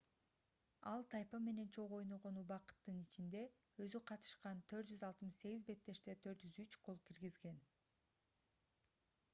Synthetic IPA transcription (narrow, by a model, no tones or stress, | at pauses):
ɑlˠt̪ʰɑjpɑme̞ne̞nt͡ʃʰo̞ʁo̞jnoʁo̞nubɑqɯ̥t̪ːɯnit͡ʃind̪e̞ | øzyqʰɑt̪ɯ̥ʃqɑnt̪ʰø̞ɾt̪̚d͡ʒyzɑlˠt̪ɯmɯʃse̞ɡizbe̞t̪ːe̞ʃt̪e̞t̪ʰø̞ɾt̪d͡ʒyzyt͡ʃkolˠkʰiɾɡizɡe̞n